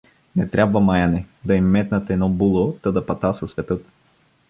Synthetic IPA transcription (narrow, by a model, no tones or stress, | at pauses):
nɛt̪ɾʲabvɐmajanɛd̪ɐimːɛt̪nət̪ɛnɔbulˠot̪əd̪ɐpɐt̪asɐsvɛt̪ɤt̪